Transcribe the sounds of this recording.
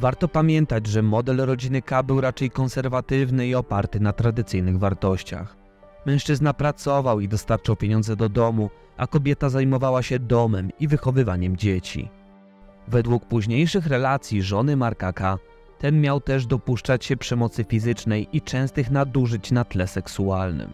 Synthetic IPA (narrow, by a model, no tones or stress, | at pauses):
vaɾt̪ɔpamʲjɛnt̪ad͡ʑʐɛmɔd̪ɛlɾɔd͡ʑinɘkabɘwɾat͡ʂɛjkɔnsɛɾvat̪ɘvnɘiɔpaɾt̪ɘnat̪ɾad̪ɘt̪sɘjnɘɣvaɾt̪ɔɕt͡ɕa̰x | mɛ̃w̃ʂt͡ʂɘznapɾat̪sɔvawid̪ɔst̪aɾt͡ʂawpʲjeɲɔnd̪zɛd̪ɔd̪ɔmu | ʔa̰kɔbʲjɛt̪azajmɔvawaɕɛd̪ɔmɛmivɘxɔvɘvaɲɛmd͡ʑet͡ɕḭ | vɛd̪wuk̚puʑɲejʂɘxɾɛlat̪sʲjiʐɔnɘmaɾkaka | t̪ɛnmʲjawt̪ɛʐd̪ɔpuʂt͡ʂat͡ɕɕɛpʂɛmɔt̪sɘfʲizɘt͡ʂnɛjit͡ʂɛ̃w̃st̪ɘxnad̪uʐɘt͡ɕnat̪lɛsɛksualnɘ̰m